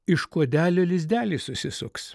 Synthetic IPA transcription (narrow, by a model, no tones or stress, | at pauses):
ɪʃkoɔd̪ʲæːlʲoːlʲɪzʲd̪ʲæːlʲiːsʊsʲɪsʊks